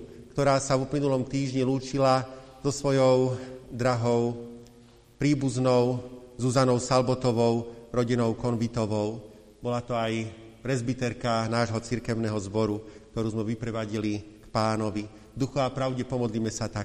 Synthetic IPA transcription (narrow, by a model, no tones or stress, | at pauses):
kt̪ɔɾaːsavuplinulɔmt̪iːʒɲiluːt͡ʃilaz̥ɔsʋɔjɔʊd̪ɾaɦɔʊ | pɾiːbuznɔʊzuzanɔʊsalbɔt̪ɔʋɔʊɾɔɟinɔʊkɔnvit̪ɔʋɔʊ | bɔlat̪ɔaj | pɾɛzbit̪ɛɾkanaːʒɦɔt͡siɾkɛʊnɛɦɔzbɔɾuk̚t̪ɔɾuːzmɛʋipɾɛʋaɟilikpaːnɔʋi | d̪uxuapɾaʊɟɛpɔmɔd̪liːmɛsat̪ak